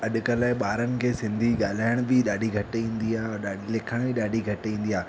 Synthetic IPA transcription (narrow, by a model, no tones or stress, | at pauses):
ɐɗʊkəlaːɪɓaːɾənɪ̆kʰeːsɪ̃nd̪ʱiɠaːl̤aːɪɽ̃bɪɗaːɖʱiɡʱɐʈĩːnd̪iaːɔɾɗaːilekʰãiɗaːɖʱiɡʱɐʈĩːn̆d̪iaː